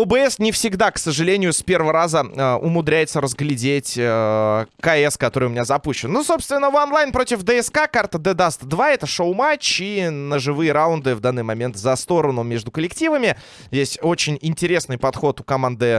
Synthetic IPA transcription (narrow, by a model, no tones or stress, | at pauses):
obɨɛsnʲɪfsʲɪɡd̪aksəʐɨlʲenʲɪjʊspʲe̞rvəəɾazəəʔʊmʊd̪ɾʲæjɪt̪səɾəzɡlʲɪdʲetʲ | kɐɛskɐt̪o̞ɾɨjʊmɪnʲazɐpuɕːɪnnoso̞pst̪vʲɪnːəvɐnlˠajnpɾo̞tʲɪfd̪ɛɛskakart̪əd̪ɛd̪ast̪d̪vaɛt̪əʂoʊmat͡ɕinəʐɨvɨjəɾaʊnd̪ɨvd̪anːɨjmɐmʲe̞nt̪zɐst̪o̞ɾənʊmʲe̞ʐd̪ʊkəlʲɪktʲivəmʲɪ | jesʲtʲo̞t͡ɕɪnʲɪnʲtʲɪɾʲe̞snɨjpɐt̪xo̞t̪ʊkɐmand̪ɨ